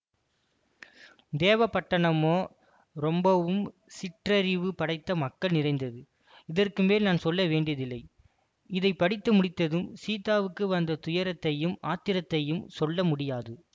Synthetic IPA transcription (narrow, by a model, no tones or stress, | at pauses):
d̪eːʋɐpɐʈːɐɳɐmoː | ɾɔmbɐʋɯm | sɪʈrɐɾɪʋɯpɐɽɐɪt̪ːɐmɐkːɐɭnɪrɐɪnd̪ɐðɯ | ɪðɐrkɯmʋeːlnaːnsɔlːɐʋeːɳɖɪjɐðɪlːɐɪ | ɪðɐɪpːɐɽɪt̪ːɐmʊɽɪt̪ːɐðɯmsiːt̪aːʋɯkːɯʋɐnd̪ɐt̪ʊjɐɾɐt̪ːɐjɯmaːt̪ːɪɾɐt̪ːɐjɯmsɔlːɐmʊɽɪjaːðɯ